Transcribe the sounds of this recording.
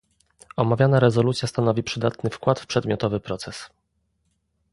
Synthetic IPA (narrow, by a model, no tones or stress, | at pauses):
ɔmavʲjanaɾɛzɔlut̪sʲjast̪anɔvʲipʂɘd̪at̪nɘfkwat̪fpʂɛd̪mʲjɔt̪ɔvɘpɾɔt̪sɛs